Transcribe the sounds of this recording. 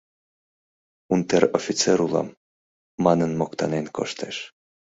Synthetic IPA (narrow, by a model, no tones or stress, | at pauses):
unt̪eɾofʲit͡seɾulɑ̰mː | ɑnənmokt̪ɑnenko̰ʃt̪eʃ